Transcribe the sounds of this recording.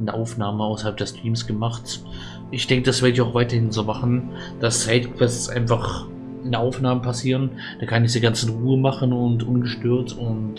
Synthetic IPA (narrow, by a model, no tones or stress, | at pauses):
nəʔaʊfnaːməaʊsɐhalp̚d̥ɛstʁ̥iːmsɡ̥əmaχt | ʔɪçd̥ɛŋkəd̥asv̥ɪːɐdɪçaʊxvaɪtɐhɪnzoːmaχn̩ | d̥asːaɪtkʰv̥ɛst͡sʔa̰ɪnfaχ | ɪnɐʔaʊfnaːməpʰasiːʁən | d̥aːkʰanɪçd̥iːɡant͡sn̩ʁuːəmaχn̩ʊntʔʊnɡəʃtøːɐtʊnt